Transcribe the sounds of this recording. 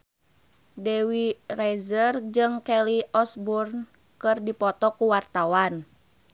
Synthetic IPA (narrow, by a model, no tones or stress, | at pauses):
dɛwirɛzərd͡ʒɨŋkɛliʔɔsburn | kɨrdipɔt̪ɔkuwart̪awan